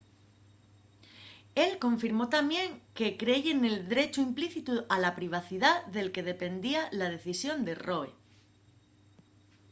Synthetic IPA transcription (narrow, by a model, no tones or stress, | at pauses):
e̞lkõ̞ɱfiɾmot̪amje̞ŋke̞kɾe̞ʝe̞ne̞ld̪ɾe̞t͡ʃuimpliθit̪ualapɾiβ̞aθiðaðe̞lke̞ð̞e̞pe̞nd̪ialað̞e̞θisjo̞nd̪e̞roḛ